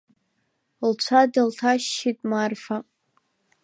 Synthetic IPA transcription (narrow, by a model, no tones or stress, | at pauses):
lt͡ɕʷʰadaltʰaʃːitʼmarfa